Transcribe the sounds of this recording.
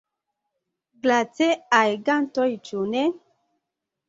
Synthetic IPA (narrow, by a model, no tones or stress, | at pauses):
ɡlat͡seajɡantɔjt͡ʃune